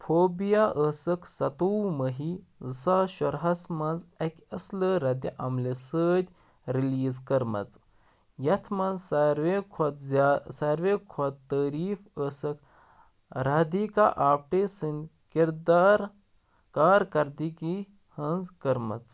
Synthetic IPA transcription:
pʰoːbijaʔəsɐksɐt̪uːməɦi | saʃɔɾɦɐsmɐnzɐkʲɐsləɾɐd̪iʔɐmlesəːd̪ʲ | ɾiliːzkɐɾmɐ̰t͡s | jɐt̪ʰmɐnzɾʋekʰod̪zasɐɾʋekʰod̪t̪ːəːɾiːfəːsɐk | ɾaːd̪iːka̰ʔaːpʈeːsɨnd̪ | kiɾd̪aːɾ | kaːɾkɐɾd̪iki | hɐnzkɐɾmɐ̰t͡s

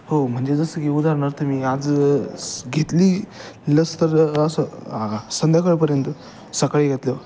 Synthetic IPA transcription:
hom̤əɳd͡zed͡zəsəkiud̪aɾnəɾt̪ʰəmiad͡z | ɡʱet̪liːləst̪əɾəsəsənd̪jakəɭpəɾjənt̪ | səkaɭiɡʱet̪lə

